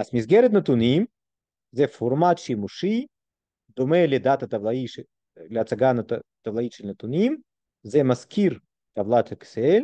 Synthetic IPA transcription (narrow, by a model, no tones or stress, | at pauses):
azmizɡʲɛɾet̪nɐt̪unʲim | zɛformat̪ʃimuʃi | d̪omeled̪at̪ɐt̪avlˠai | leat͡saɡant̪ɐvlˠaiʃelʲnət̪unʲim | zɛmaskʰʲiɾ | t̪avlˠat̪haksel